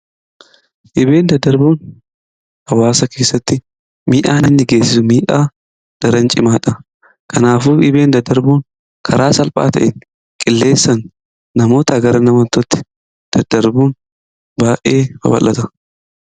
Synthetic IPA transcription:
ʔɪbe̞ːnd̪ɐd̪ːɐɾbuːn | ɐwaːsɐke̞ːsːɐt̪ːɪ | miːʔaːnɪnːɪɡe̞ːsːɪsʊmiːʔaː | d̪̥ɐɾɐnt͡ʃʼɪmaːᶑɐ | kʰɐnaːfuːɪbe̞ːnd̪ɐd̪ːɐɾbuːŋ | kʰɐɾʔaːsɐlpʼa̰ːt̪ɐ̰ʔɪn | kʼɪlːe̞ːsːɐnː | ɐmo̞ːt̪ɐɐɡɐɾɐnɐmɐnt̪ːɔt̪ːɪ̥ | d̪̥ɐd̪ɐɾbuːn | baːʔeːfɐ̰bɐ̰lʔːɐt̪ɐ

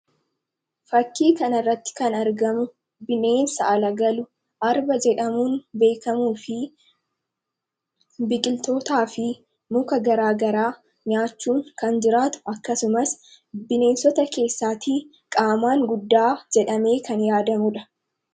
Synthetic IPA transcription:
fɐkːiːkɐnɐrːɐt̪ːɪ̥kɐnɐɾɡɐmʊ | bɪne̞ːnsɐʔɐlɐɡɐlʊ | ʔɐɾbɐd͡ʒɛᶑɐmuːnbe̞ːkɐmuːfɪ | bɪkʼɪlt̪o̞ːt̪aːfɪ | mʊkɐɡɐɾaːɡɐɾaː | ɲaːt͡ʃːuːŋkɐnd͡ʒɪɾaːt̪ʊ̥ɐkːɐsʊmɐs | bɪne̞ːnsɔt̪ɐke̞ːsːaːt̪iː | kʼaːmaːŋɡʊd̪ːaːd͡ʒɛᶑɐme̞ːkɐnjaːd̪ɐmʊᶑɐ

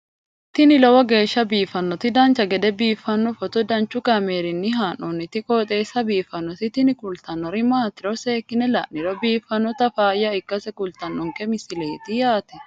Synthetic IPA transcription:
t̪ɪnɪlɔwɐɡeːʃːɐbiːfɐnːɔt̪ɪd̪aːnt͡ʃɐɡɛd̪ɛbiːfːɐnːɔfɔt̪ɔd̪ɐnt͡ʃʊkɐmeːɾɪnːɪɦaːnɔnːɪt̪ɪkʼɔːt̪ʼeːsɐbiːfɐnːɔt̪ɪt̪ɪnɪkʼʊlt̪ɐnːɔɾɪmaːt̪ɪɾɔseːkːɪnɛlɐ̰ʔnɪlɔbiːfɐnːɔt̪ɐfaːjɐɪkːɐsɛkʼʊlt̪ɐnːɔŋkɛmɪsɪleːt̪ɪjaːt̪ɛ

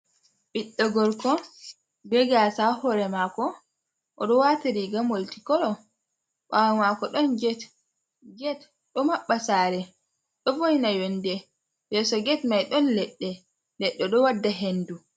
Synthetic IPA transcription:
ɓiɗːɔɡɔɾkɔ | bɛɡasahɔɾɛmakɔ | ʔɔɗɔwataɾiɡamoltikɔɗɔ | ɓamakɔɗɔnd͡ʒɛt | ɡɛt | ɗɔmaɓːasaːɾɛ | ɗɔvojnajondɛ | bɛsɔɡɛtmajɗɔnlɛɗːɛ | lɛɗːɛɗɔwadːaɦendu

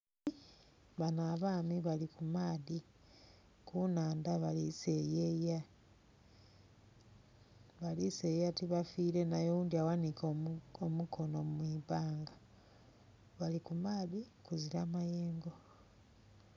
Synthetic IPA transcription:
βanaβaːmiβalikumaːði | kunaːndaβalise̞jeja | βalisejjatiβafiːɾe̞najowuːndiawanikʰoomukʰo̞nomwiβaːŋɡa | βalikumaːðikuziɾamajeːŋɡo̞

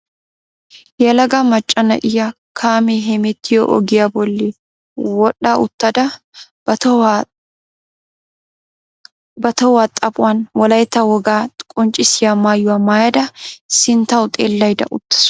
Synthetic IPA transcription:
jɛlɐɡɐmɐt͡ʃʼːɐnɐ̰ʔɪjɐ | kʰaːmɛɦɛmɛt̪ːɪjɔ̰ʔɔ̰ɡɪjabɔlːɪ | wɔɗːaʊt̪ːɐd̪ɐ | bɐt̪ɐwat̪ʼɐpʼʊwanwɔlɐjt̪ːɐwɔɡaːkʼɔnt͡ʃʼɪsɪjamaːjːʊwaːmaːjɐd̪ɐsɪnt̪ɐwt̪ʼeːlːɐjd̪ɐ̰ʔʊt̪ːɐ̥s

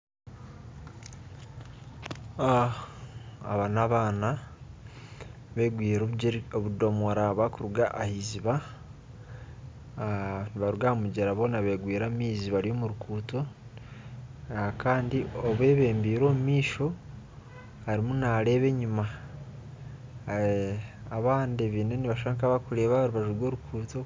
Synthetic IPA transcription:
a | a̰βanaβaːna | βeɡwiːɾoβudo̞moɾaβakuɾuɡaʔːhiziβa | niβaɾuɡamuɟeɾaβo̞ːnaβe̞ɡwiːɾamiːziβaɾijo̞muɾukʰuːto̞ | kaːndioβwe̞ːβe̞ːmbiːɾo̞ːmumiːʃo̞ | haɾimunaɾe̞βe̞ɲuma | aβaːndeβine̞niβaʃaːŋkaβakuɾe̞ːβaβaɾuβaʒuɾɡwo̞ːɾukʰuːto̞

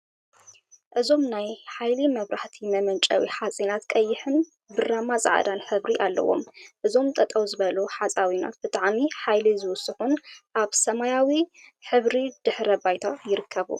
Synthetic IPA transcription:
ʔɨzo̞mnajħajlimɐβɾaħt̪ʰimɐmɐnt͡ʃʼɐ̰wḭħat͡sʼinat̪kʼɐjːɪħɨn | bɨramazʼa̰ʕa̰d̪anħɨβɾiʔalːɐ̰wo̞̰mʔɨzo̞mt̪ʼɐt̪ʼɐwzɨβɐluħat͡sʼawina̰t̪̚b̥ɨt̪ʼaʕmiħajlizɨwʊsɨxunʔaβsɐmajawiħɨβɾid̪̥ɨħɾɐbajt̪ʰajɪɾɨkʰːɐβṵ

